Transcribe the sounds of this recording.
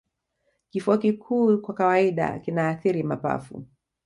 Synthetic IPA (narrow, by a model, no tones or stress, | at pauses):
kifuakikʰuːkwakawaiɗa̰kinaːθiɾimapa̰fṵ